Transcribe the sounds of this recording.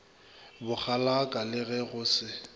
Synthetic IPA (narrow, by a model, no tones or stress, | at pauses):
bʊk͡xʰalakʼalɪɣɛɣʊsɪ